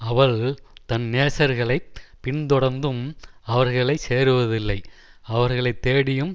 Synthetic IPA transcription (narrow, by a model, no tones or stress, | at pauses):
ɐʋɐɭt̪ɐnːeːsɐɾɣɐɭɐɪpɪɳt̪ɔɽɐɾnd̪ɯmɐʋɐɾɣɐɭɐɪseːɾɯʋɐðɪlːɐɪɐʋɐɾɣɐɭɐɪt̪ːeːɽɪjɯm